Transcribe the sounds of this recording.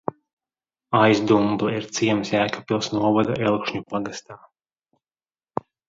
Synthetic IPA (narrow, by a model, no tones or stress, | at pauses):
ajzd̪umblɛiɾt̪siɛmsjæːkapilˠsnuɔvad̪aʔɛlˠkʃɲupaɡast̪aː